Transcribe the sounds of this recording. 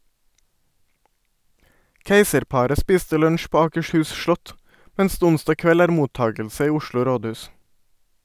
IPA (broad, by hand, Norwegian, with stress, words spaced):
ˈkeɪsəɾˌpɑɾə ˈspiːstə ˈlœɲʃ ˈpoː ɑːkəʃˈhʉːs ˈʃlɔt ˈmɛns ˈdeː ˈʊnstɑ ˈkʋɛl ˈæːɾ ˈmuːˌtɑːɡəlsə ˈiː ˈʊʃlʊ ˈɾoːˌdʉːs